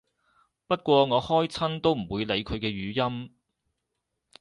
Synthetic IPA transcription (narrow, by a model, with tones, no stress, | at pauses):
pɐ˥t̚kʷɔː˧ŋɔː˨˧hɔː˥jt͡sʰɐ˥nt̪o˥wm̩˨˩wuː˨˧jle˨˧jkʰɵ˨˧ɥkɛː˧ɥyː˨˧jɐ˥m